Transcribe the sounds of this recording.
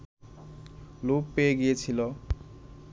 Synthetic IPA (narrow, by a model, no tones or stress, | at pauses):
lupːeɡiet͡sʰilo